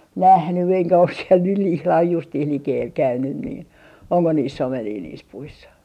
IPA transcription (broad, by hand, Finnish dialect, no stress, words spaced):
næhny eŋkæ os siel nyh ihlɑh justiːh likeːl kæynyn niː oŋko niːsː omeniː niːs puisːɑ